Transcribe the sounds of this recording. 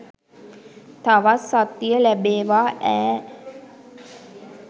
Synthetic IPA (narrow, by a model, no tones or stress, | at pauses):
t̪aʋasat̪ːijəlæbeːʋaːʔæː